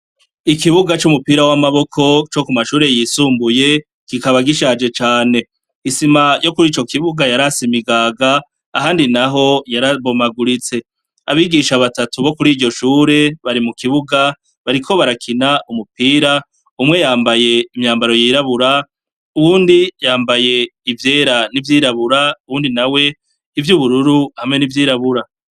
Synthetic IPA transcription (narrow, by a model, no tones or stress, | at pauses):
ikiβuɡat͡ʃumupiːɾawamaβo̞kʰo̞t͡ʃo̞kumaʃuːɾe̞jisuːmbuje̞ | kikaβaɡiʃad͡ʒe̞t͡ʃaːne̞ | isimajo̞kuɾiːt͡ʃo̞kiβuɡajaɾasimiɡaɡaː | ɦaːndinaɦo̞jaɾaβo̞maɡuɾit͡se̞ | aβiɡiːʃaβatatuβo̞kuɾiːɾɟo̞ʃuːɾe̞βaɾimukiβuɡa | βaɾikʰo̞βaɾakʰinaʔumupiːɾa | umŋe̞jaːmbaje̞imɲaːmbaɾo̞jiːɾaβuɾa | uβuːndijaːmbaje̞ivje̞ːɾanivjiːɾaβuɾauβuːndinawe̞ | ivjuβuɾuɾuhamŋe̞nivjiːɾaβuɾa